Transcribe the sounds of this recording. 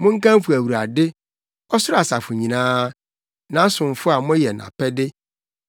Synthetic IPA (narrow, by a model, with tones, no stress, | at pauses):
mʊ̃˦ŋ̩˦kã˦m˦fʊ˨æ˨wu˨ɾa˨dɪ˦ | ɔ˦sʊ˦ɾa˨sa˨fʊ˨ɲĩ˨nãː˦ | nã˨˦sʊ̃˨m˨fʊ˦a˨mʊ̃˦æ˦jɛ˨nã̰˨pʰɛ˦dɪ˦